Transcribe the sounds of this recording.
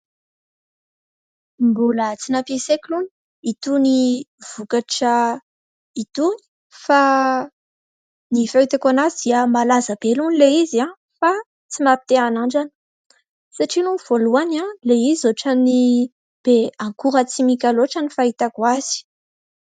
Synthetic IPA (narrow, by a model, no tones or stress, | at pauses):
mbulət͡sinapesekiluni̥ | it̪univ̥ukaʈ͡ʂə | it̪uni̥ | fa | nifeit̪ekanazd̪iamalazab̥elunileiziã | fa | t͡simapi̥t̪eanaɳɖ͡ʐanə̥ | saʈ͡ʂinumv̥oluanãleizizoʈ͡ʂani | b̥eaŋkuɾət͡simikʲaloʈ͡ʂanifait̪akwaz̥i̥